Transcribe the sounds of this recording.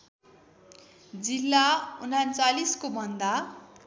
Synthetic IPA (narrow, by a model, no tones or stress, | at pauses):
d͡zilːaunant͡saliskobʱʌnd̪a